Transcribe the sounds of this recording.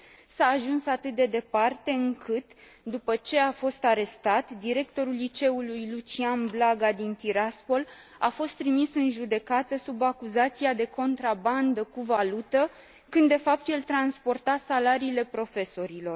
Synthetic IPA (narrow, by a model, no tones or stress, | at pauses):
saːʒunsat̪ɨt̪̚d̪e̞d̪e̞part̪e̞ɨŋkʰɨt̪ | d̪upət͡ʃe̞afo̞st̪aɾe̞st̪at̪d̪iɾe̞k̚t̪o̞ɾulːit͡ʃe̞ulujlut͡ʃianblaɡad̪int̪iɾaspo̞l | a̰fo̞st̪ːɾimisɨnʒud̪e̞kat̪əsubakuzat̪siad̪e̞ko̞nt̪ɾaband̪əkuvalut̪ə | kɨnd̪ːe̞fap̚t̪je̞lt̪ɾanspo̞rt̪asalaɾiːle̞pɾo̞fe̞so̞ɾilo̞r